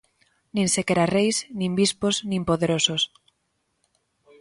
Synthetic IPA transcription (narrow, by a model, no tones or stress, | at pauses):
nĩnsekeɾarejsnĩmbispoznĩmpoðeɾosos